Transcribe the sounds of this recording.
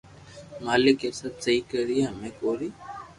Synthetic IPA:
maːlɪkesət̪səiːkəɾiːaːmẽːkoːɾiː

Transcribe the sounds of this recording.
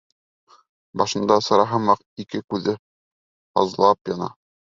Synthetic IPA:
bɑʃɤ̆nd̪ɑsɤ̆ɾɑɦɤmɑq | ikɘkʉðɘ | ɑ̰zlˠɑpjɑnɑ̰

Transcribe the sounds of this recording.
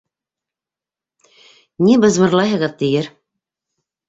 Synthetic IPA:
nibɤ̆zβɤ̆ɾlˠɑɦɤ̆ʁɤðt̪ijɘɾ

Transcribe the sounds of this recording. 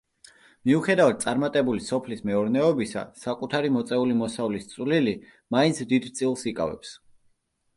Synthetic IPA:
miuχɛd̪avad̪̚t̪sʼaɾmat̪ʼɛbulisɔpʰlismɛɔɾnɛɔbisa̰sakʼut̪ʰaɾimɔt̪sʼɛulimɔsavlist̪sʼvlili | mainsʰd̪id̪t̪sʼilˠsikʼa̰vɛ̰ps

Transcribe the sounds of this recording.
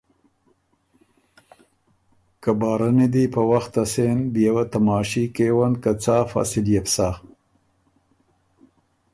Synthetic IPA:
kabɑːɾanid̪ipəwaxt̪asenbjawat̪amɑːʃikewankat͡saːfa̰ːsɪljapsa

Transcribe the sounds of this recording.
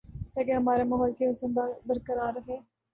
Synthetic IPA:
t̪ɛːkeɦəmaːɾeːmɐɦɔːlkeɦəsənd̪abəɾkəɾaːɾːəɦeː

